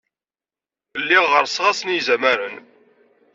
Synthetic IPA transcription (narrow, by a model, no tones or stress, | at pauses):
əlːiʁəɾsʁasnizæmæɾən